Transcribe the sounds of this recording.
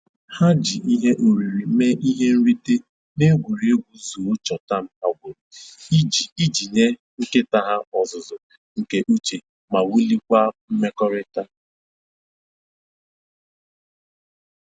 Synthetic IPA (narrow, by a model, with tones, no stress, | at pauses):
ha˦d͡ʒi˨ʔi˦ɦe˦ʔo˨ɾi˨ɾi˨me˦ʔi˦ɦe˦n̩˦ɾi˦te˦ | ne˦ɡʷu˨ɾi˨˦e˦ɡʷu˨zu˨o˦t͡ʃɔ˨ta˦˨m̩˦a˨ɡʷʊ˨ɾʊ˨˦i˨i˦d͡ʒi˨ɲe˦ | ŋ̩˦ke˦ta˦ɦa˦ɔ˨zʊ˨zʊ˨ | ŋ̩˨ke˨ʔu˦t͡ʃe˨ | ma˨wu˦li˦kʷa˦m̩˦me˦kɔ˦ɾɪ˦ta˦